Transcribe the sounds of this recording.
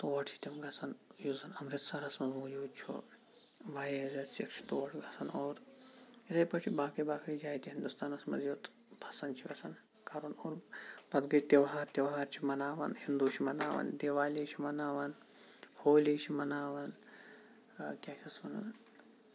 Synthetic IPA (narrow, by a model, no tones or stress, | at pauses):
t̪oːɐʈʰit̪ʲimɡɐsʰɐnjuzɐnɐmɾɪt̪sɐɾɐsmɐzmoːd͡ʒuːd̪t͡ʃʰṵ | ʋaːjezɐnsikʃʰi̥t̪oːɐʈʰɡɐsʰɐnoːɾit̪ɐjpɐt͡ʃʰibaːkɐjbaːkɐjd͡ʒaːjt̪iɦind̪ust̪aːnɐsmɐ̰zjuːt̪ | pʰɐsɐnt͡ʃʰiɡɐsɐn | kaɾonoːɾpɐd̪ɡɐt̪ʲeʋɦaːɾt̪ʲeʋɦaːɾt͡ʃʰimɐnaːʋɐ̰nhind̪ut͡ʃʰimɐna̰ːʋɐ̰nd̪eːʋaːliːt͡ʃʰimɐnaːʋɐn | hoːliːt͡ʃʰimɐnaːʋɐn | kʲaːt͡ʃʰɐsmɐnɐ̰n